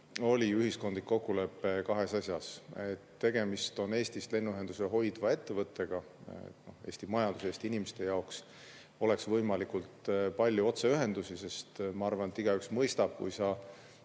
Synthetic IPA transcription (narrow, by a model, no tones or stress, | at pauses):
o̞lʲiyhisko̞nd̪̥likːo̞kːule̞pːe̞kɑɦe̞sɑsjɑset̪ːe̞ɡ̥e̞mist̪o̞ne̞ːst̪ist̪le̞nːuyɦe̞nd̪̥useɦo̞jd̪vɑe̞t̪ːe̞vɤt̪ˑːe̞ɡ̥ɑ | ḛt̪no̞he̞ːsʲt̪imɑjɑnd̪̥useːst̪iinimest̪e̞jɑoks | o̞le̞ksvɤjmɑlikult̪pɑlʲjuo̞t̪se̞yɦe̞nd̪usise̞st̪mɑɑrvɑnet̪ːˑiɡ̥ɑyksmɤjst̪ɑb̥̚kṵjsɑ